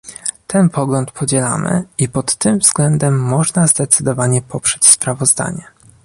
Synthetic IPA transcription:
t̪ʰɛnpʰɔɡlɔnt̪pʰɔd͡ʑɛla̰mɘ̰ipɔt̪ːɘmvzɡlɛnd̪ɛmːɔʐnazd̪ɛt̪sɘd̪ɔvaɲɛpʰɔpʂɛt͡ɕspɾavɔzd̪a̰ɲɛ

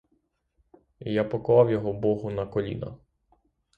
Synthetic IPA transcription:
japɔkɔʋˠɑwjɔɦɔbɔɦʊnɐkɔlʲḭnɐ̰

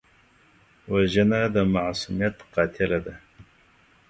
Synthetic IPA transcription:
waʒanaːd̪amaʕsumjat̪qɑːt̪ʰɪlad̪a

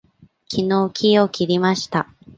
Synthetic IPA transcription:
kʲino̞ːkʲʰio̞kʲʰiɾʲimaɕi̥t̪a

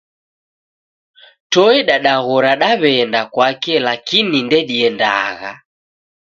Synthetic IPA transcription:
tɔɛɗaɗaɣɔɾaɗaβɛndakwakɛlakinindɛɗiɛnda̰ɣa̰

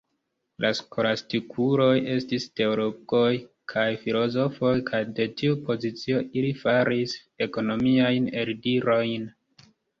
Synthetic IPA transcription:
lʔasko̞ɾastikʰuɾo̞je̞stiste̞oɾoko̞j | kʰajfilo̞zo̞fo̞jkʰajde̞tiupo̞zit͡sio̞ʔilifaɾis | e̞ko̞no̞miajne̞ɾdiɾo̞jn

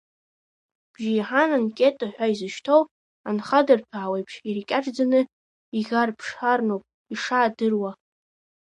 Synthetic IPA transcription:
b̥ʒijħanankʲʼe̞tʼaħʷᶣaizɨʃtʰow | anχadɨrpʰaawejpʰʂirikʲʼaʈ͡ʂʼd͡zanɨ | iɣʲarpʰʂħarnowpʼ | iʂaːdɨrwa

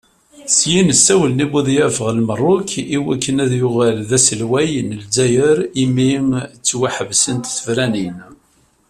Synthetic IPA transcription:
sjinəsːæwəlnibuðjæfəʁəlmərˤːʊkʰiwækːənæðjʊʁælðæsəlwæjnəlzæjəɾimiŋt͡sːwaħəvsənt̪θəvɾænin

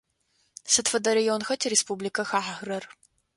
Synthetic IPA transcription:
sɨtfɐdɐɾijonxɐtʰɾespublikʰɐxaːħaɣrɐr

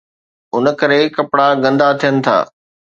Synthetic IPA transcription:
ʊnə̆kɐɾekɐpɽaɡɐ̃nd̪at̪ʰijənɪ̆t̪ʰa̰ː

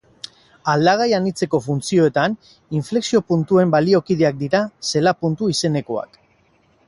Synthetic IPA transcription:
ald̪aɣ̞ajanit͡se̞ko̞funt͡sio̞e̞t̪an | iɱfle̞ksio̞punt̪ue̞mbalio̞kiðeak̚d̪iɾase̞lapunt̪uise̞ne̞ko̞a̰k

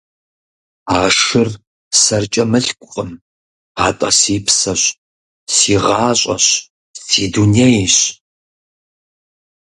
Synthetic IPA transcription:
aːʂɨr | sɐrt͡ʃʼɐmɨɬkʷʼʊqʼəm | aːtʼɐ̰siːpsɐɕ | siːʁaːɕʷʼɐ̰ɕ | sʰiːduːnejiɕ

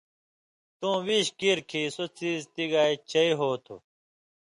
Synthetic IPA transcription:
t̪ũːwiɕkiɾkʰiːsot͡siːzt̪iɡaːit͡ɕʰɐiɦoːt̪ʰṵ

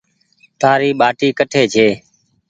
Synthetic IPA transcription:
t̪aːɾiːɓaːʈiːkəʈʰeːt͡ʃʰeː

